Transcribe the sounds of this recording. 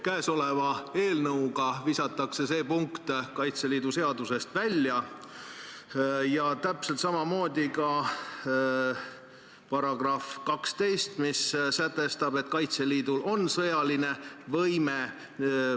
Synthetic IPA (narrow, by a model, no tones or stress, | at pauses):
kæeso̞le̞vɑe̞ːlnɤwɡ̥ɑvisɑt̪ˑːɑkse̞se̞ːpuŋkt̪kɑjt̪se̞liːd̪̥use̞ɑd̪̥use̞st̪vælʲːjɑ | jɑt̪æpse̞lt̪sɑmɑmo̞ːd̪̥ʲikɑ | pɑɾɑɡ̥rɑfkɑkst̪e̞jst̪missæt̪ːˑe̞st̪ɑb̥e̞t̪̚ˑkɑjt̪se̞liːd̪̥ulʔo̞nsɤjɑline̞vɤjme